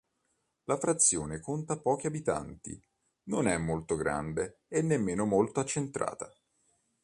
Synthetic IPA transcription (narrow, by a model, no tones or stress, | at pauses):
lafɾat̪sːjoːnekont̪apɔːk̟iabit̪a̰nt̪ḭ | nonɛmːolt̪oɡɾa̰nd̪eenːemːeːnomolt̪oat͡ʃːent̪ɾa̰ːt̪a